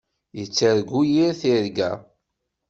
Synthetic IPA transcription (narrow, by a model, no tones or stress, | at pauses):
jət͡sːəɾɡujiɾθiɾɡæ̰